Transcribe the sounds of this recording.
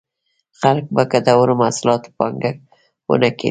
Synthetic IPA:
χalk̚bakad̪awʊɾɪmaslɒt̪ʰɪ̥pɒŋɡak̚ | o̰nakʲḛ

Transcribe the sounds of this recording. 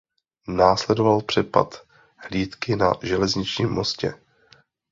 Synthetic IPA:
naːslɛdovalpr̥ɛpa̰t̪ | hliːt̪kɪna̰ʒɛlɛzɲɪt͡ʃɲiːmːo̞scɛ

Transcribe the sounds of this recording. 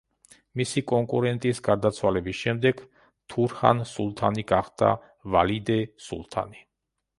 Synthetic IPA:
misikʼɔŋkʼuɾɛnt̪ʼisɡaɾd̪at̪sʰwalɛbisʃɛmd̪ɛɡ̥ | t̪ʰuɾχa̰nsulˠt̪ʰaniɡaχd̪a̰ | valid̪ɛsṵlˠt̪ʰa̰ni

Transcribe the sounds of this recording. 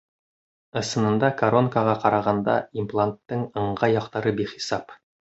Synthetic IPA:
ɤ̆sɤ̆nɤ̆nd̪ɑkɐɾonkaʁɑqɑɾɑʁɑnd̪ɑ̰implˠant̪ːɤɴɤ̆ɴʁɑjɒqt̪ɑɾɤbiχi̥sɑp

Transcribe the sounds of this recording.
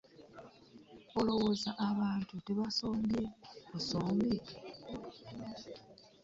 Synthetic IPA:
olo̞wo̞ːzaʔaβaːntute̞βaso̞ːmbje̞kusoːmbe

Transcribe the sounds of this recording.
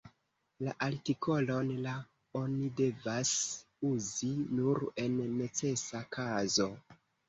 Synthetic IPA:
laʔaɾtikʰo̞lo̞nla | o̞nide̞vas | uzinuɾe̞nːe̞t͡se̞sakʰazo̞

